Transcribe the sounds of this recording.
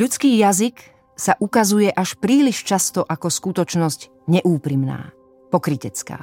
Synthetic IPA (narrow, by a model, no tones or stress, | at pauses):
ʎut͡skiːjazik | saʔukazujɛʔaʃpɾiːliʃt͡ʃast̪ɔʔakɔskut̪ɔt͡ʃnɔzc | ɲɛʔuːpɾimna̰ː | pɔkɾicɛt͡ska̰ː